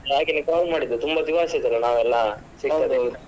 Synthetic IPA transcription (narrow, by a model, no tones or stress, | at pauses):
aːɡenukaːlmaːɽid̪ːut̪umbɐd̪iʋaːsɐd̪ɐlːɐnaːʋɛlːɐ | sikːɐd̪